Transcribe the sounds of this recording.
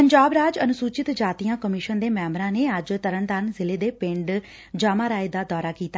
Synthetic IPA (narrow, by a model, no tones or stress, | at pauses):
pəɲd͡ʒaːbɾaːd͡ʒənʊsuːt͡ʃɪt̪d͡ʒaːt̪ijãːkəmɪʃənd̪eːmɛːmbɾãːneːəd͡ʒt̪əɾəɳt̪aːnzɪleːd̪eːpɪ̃ɳɖ | d͡ʒaːmãːɾaːeːd̪aːd̪ɔːɾaːkiːt̪a